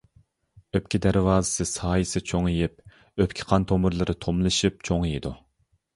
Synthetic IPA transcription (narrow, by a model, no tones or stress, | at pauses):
øp̚ʲkʲʰid̪æɾwɑːzɨ̥sɨsɑːjisɨt͡ʃʰoŋijip̚ | øpʲkʲʰɪ̥qʰɑnt̪ʰomɨɾlˠɨɾɨt̪ʰomlˠɨʃip̚t͡ʃʰoŋjid̪u